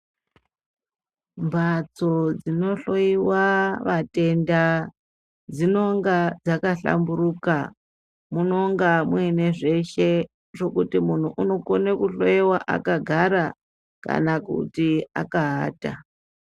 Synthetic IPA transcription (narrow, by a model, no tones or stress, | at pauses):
mbʱat͡so̞d͡zino̞ɬo̞iwaʋate̞nda | d͡zino̞ŋɡad͡zakaɬa̰mburuka | muno̞ŋɡamwuineʐe̞ʃe̞ | ʐo̞kutimun̤uʔuno̞konekuɬojewaʔa̰kaɡʱaɾa | ka̰nakṵtia̰kaɦaːta